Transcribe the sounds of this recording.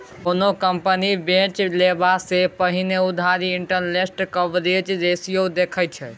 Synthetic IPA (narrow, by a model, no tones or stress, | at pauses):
onokəmpənibẽt͡ʃlebasepəɦineud̪ʱaɾiːɳʈənlesʈkəʋɾet͡ʃd̪esijod̪ekʰət͡ʃʰɛ